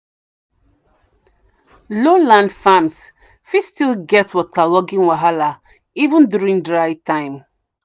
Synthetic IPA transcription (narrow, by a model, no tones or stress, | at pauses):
lolãndfãms | fistilɡɛtswɔkʰalɔɡĩnwaɦala | ivə̃ndjuɹĩŋdɹaɪtʰãɪ̃m